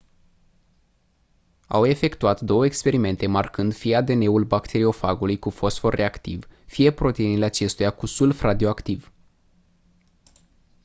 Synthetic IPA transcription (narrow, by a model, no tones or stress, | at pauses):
a̰we̞fe̞kt̪uat̪d̪o̞wəekspe̞ɾime̞nt̪e̞markɨnd̪fijead̪e̞ne̞ulbakt̪ʰe̞ɾio̞faɡulujkufo̞sfo̞rːe̞akt̪ivfije̞pɾo̞t̪e̞inileat͡ʃe̞st̪ujakusulfɾad̪ioakt̪iv